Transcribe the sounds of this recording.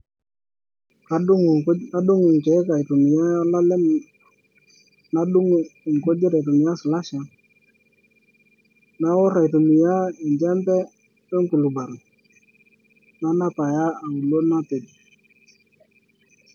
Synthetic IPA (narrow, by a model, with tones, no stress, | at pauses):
ka˨˦ŋ˨˦a˦du˦ŋʊ˨ŋke˨˦ka˨i˨tu˨mi˨ja˦la˦lɛ˦m | na˦u˦ŋ˦˨ŋko˦d͡ʒɪ˦ɾa˨jtu˨mɪ˨ja˦sla˦ʃa˨ | na˦wɔ˦ɾa˨jtu˨mi˨ja˦ɪ˨ɲd͡ʒɛ˦mbɛ˦ | pɛ˦ŋku˨lu˨ba˨ɾʊ˨ | na˦na˦pa˨ja˦a˨u˨lo˦na˦te˨di˨